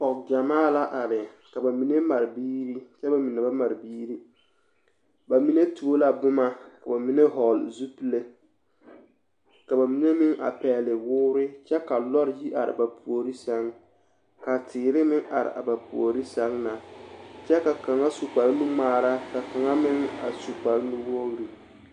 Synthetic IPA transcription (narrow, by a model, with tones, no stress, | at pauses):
pɔ˨kd͡ʒa˨maː˦la˦ʔa˨ɾɪ˨ | ka˨ba˨mi˨ne˦ma˨ɾɪ˨biː˦ɾi˦t͡ʃɛ˦ba˨mi˨ne˨ba˦ma˨ɾɪ˨biː˦ɾi˦ | ba˨mi˨ne˦tu˨˦o˦la˨bʊ˦ma˨ka˨ba˨mi˨ne˦ɦɔ˨lzu˦pi˦le˦ | ka˨ba˨mi˨ne˦mɪ˦ŋa̰˨pɛː˨lɪ˨wʊː˦ɾɪ˦t͡ʃɛ˦ka˨lɔ˦ɾji˦ʔa˨ɾɪ̰˨ba˨pʰu˨o˨ɾi˦sa˦ŋ | ka˨tʰɪː˨ɾɪ˦mɪ˦ŋʔa̰˨ɾɪ̰˨a̰˨ba˨pu˨o˨ɾi˦sa˦ŋna˨t͡ʃɛ˦ka˨ka˨ŋa˦su˨k͡pa˨lnu˦maː˨˦ɾa˦ka˨ka˨ŋa˦mɪ˦ŋa̰˨su˨k͡pa˨lnu˦wo˦ɣɾi˨